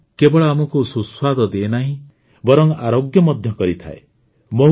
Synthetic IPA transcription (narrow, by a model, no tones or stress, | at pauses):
kebɔɭɔamɔkususwad̪ʱɔd̪eenaɦĩ | bɔɾɔŋaɾoɡjɔmɔd̪ʱjɔkɔɾit̪ʰa̰e | mo